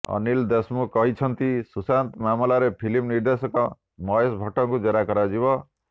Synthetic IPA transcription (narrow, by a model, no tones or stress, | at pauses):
ʌ̰nild̪esmukɔɦit͡ʃʰʌnt̪isusant̪mamlaɾepʰilimniɾd̪esɔkɔ | mɔjesbʱɔʈːɔŋkud͡ʒeɾakɔɾad͡ʒibɔ